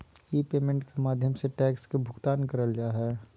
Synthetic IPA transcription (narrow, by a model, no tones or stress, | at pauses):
jipeːmẽɳʈkemaːd̪ʱjəmseʈɛːkskebʱʊɡt̪aːnkɐɾəld͡ʒaɦɛː